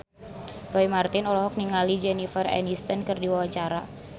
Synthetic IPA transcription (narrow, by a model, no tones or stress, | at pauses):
rɔimart̪ɪnɔlɔɦɔk̚niŋalid͡ʒɛnifərɛ̰nist̪ənkɨrdiwawaɲt͡ʃaɾa